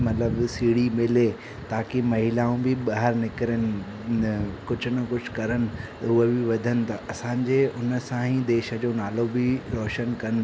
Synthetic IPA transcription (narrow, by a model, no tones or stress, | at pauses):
mɐt̪ləbsiːɽimɪle | t̪aːkemɐɦɪlaːũbɪɓaɦəɾnɪkɪɾənɪ̆ | kʊd͡ʑʱʊnɐkʊd͡ʑʰkɐɾənɪ̆ | ʊəbɪʋɐd̪ʱənɪ̆t̪ɐʔɐsãːɲd͡ʑeʊnə̆sãɦĩd̪eːʃə̆d͡ʑoːnaːlobɪɾɔːʃənkɐn